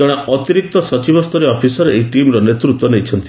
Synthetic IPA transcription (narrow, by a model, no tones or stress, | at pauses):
ɔɽ̃eɔt̪iɾik̚t̪ɔsɔt͡ʃibɔst̪ʰɔɾeɔpʰisɔɾeejʈimɾɔnet̪ɾut̪wɔnejt͡ʃʰɔnt̪i